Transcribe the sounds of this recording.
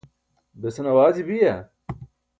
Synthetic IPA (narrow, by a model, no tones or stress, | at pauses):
besɐnɐwaːzibijɐ